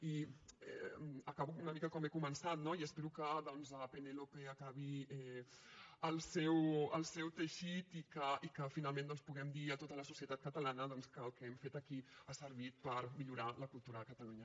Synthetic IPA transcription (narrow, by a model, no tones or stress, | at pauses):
iɛ̰əkaβuunəmikəkɔmekumənsat̪noiəspɛɾukəðɔnzəpenelopeəkaβ̞iɛ | əlˠsɛwəlˠsɛwt̪əʃit̪ikəikəfinalˠmẽnd̪ɔnspuɣɛmd̪iət̪ot̪ələsusiət̪at̪̚kət̪əlanəðɔnskəːlˠkəɛmfet̪əkiasəɾβit̪̚pəɾmiʎuɾaləkulˠt̪uɾəkət̪əluɲə